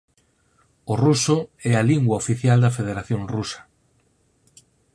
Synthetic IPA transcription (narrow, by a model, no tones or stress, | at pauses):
ʊrusʊɛaliŋɡwɐofiθjald̪ɐfeð̞eɾaθjõŋrusɐ̥